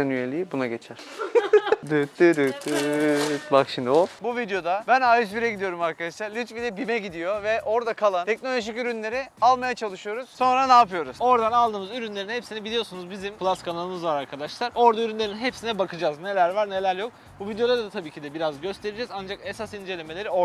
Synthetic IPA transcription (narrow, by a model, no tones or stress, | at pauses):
ɛnyjelʲiibunaɟe̞t͡ʃʰæɾ̥ | d̪øt̪ːyd̪øt̪ːy | bakʃimd̪iofbuvid̪jo̞d̪abænajɯʃbiɾɛɟid̪ijo̞ɾumaɾkʰad̪aʃlˠaɾlʲit͡ʃbilʲɛbimɛɟid̪ijo̞vɛʔo̞ɾd̪akʰalˠanʰɛk̚nolʲoʒicyɾynlʲe̞ɾialˠmajat͡ʃʰalˠɯʃɯjo̞ɾuz̥so̞nɾanaːpɯjo̞ɾuzo̞ɾd̪analˠd̪ɯːmɯzyɾynlʲe̞ɾinɦepsinɛbilʲijo̞sunuzbizimpʰlˠaskʰanalˠɯmɯzvaɾaɾkʰad̪aʃlˠaɾo̞ɾd̪ayɾynlʲe̞ɾinɦepsinɛbakʰɯd͡ʒaːzne̞lʲæɾvaɾne̞lʲæɾjo̞k | buvid̪jod̪ad̪d̪at̪ʰabiːcʰid̪ɛbiɾazɟø̞st̪ʰe̞ɾid͡ʒɛzand͡ʒake̞sasind͡ʒe̞lʲe̞me̞lʲe̞ɾio